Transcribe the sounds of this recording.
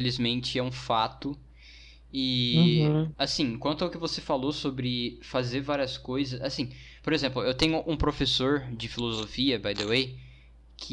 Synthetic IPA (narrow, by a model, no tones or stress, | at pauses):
elizmẽnt͡ʃɪɛũfat̪ʊ | ɪ | asĩkwɐ̃nt̪ʊɐʊkɪvosefalosobɾɪfazeɾvaɾiɐskojzɐsasĩ | poɾezẽmplʊewt̪ẽɲʊʔũpɾofesoɾd͡ʒɪfilozofiɐbajd̪ewej | kʰɪ